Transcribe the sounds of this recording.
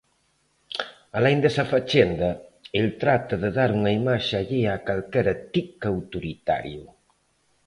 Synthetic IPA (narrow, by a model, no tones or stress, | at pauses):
alɛjŋnd̪ɛsɐfat͡ʃɛnd̪ɐelt̪ɾat̪ɐðeðaɾuŋɐimaʃaʎiakalkɛɾɐt̪ikawt̪uɾit̪a̰ɾjʊ